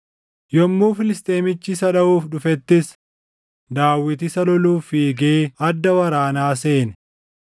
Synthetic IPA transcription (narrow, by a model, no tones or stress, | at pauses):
jɔmːuːfɪlɪst̪ʼe̞ːmɪt͡ʃːɪsɐᶑɐʔuːfᶑʊfɛt̪ːɪs | d̪aːwːɪt̪ɪsɐlɔluːfiːɡeːɐd̪ːɐwɐɾaːnaːse̞ːnɛ